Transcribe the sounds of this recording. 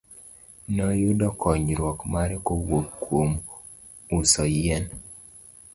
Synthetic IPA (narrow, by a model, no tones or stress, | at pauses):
nɔjʊdɔkɔɲɾwɔkmaɾekowokkwom | usɔjɛn